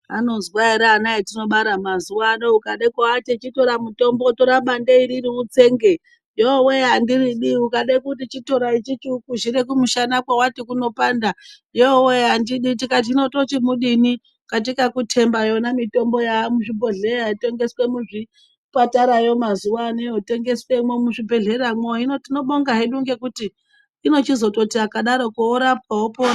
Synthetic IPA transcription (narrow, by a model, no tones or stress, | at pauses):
anozwaiɾaːnaitino̞ɓaɾamazuwanoukaɗaikawatet͡ʃito̞ɾamuto̞mbo̞toɾaɓandeiɾiriut͡se̞ŋɡe̞ | joweɦandiriɗiukaɗakutit͡ʃito̞ɾait͡ʃit͡ʃukuʒiɾek̬umuʃanakwawatikuno̞paːnda | joweɦandiɗitikat̬ino̞to̞t͡ʃimuɗini | kat̬ikakutʰe̞mbajo̞namito̞mbo̞jamuʂibʱo̞ɮeɾaite̞ŋɡe̞swemuʐi | pataɾajo̞mazuwanijote̞ŋɡe̞swemwomuʂibʱe̞ɮe̞ramoinotino̞ɓoŋɡaɦiɗuŋɡe̞kutiː | no̞t͡ʃizo̞to̞tiakaɗaɾo̞kooɾap̚waɦopona